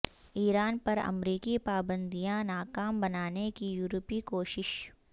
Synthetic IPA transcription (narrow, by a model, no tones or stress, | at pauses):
iːɾaːnpɐɾɐ̰mɾiːkipaːbə̃nd̪ijãnaːkaːmbɐnaːnekijuːɾpikoːʃɪʃ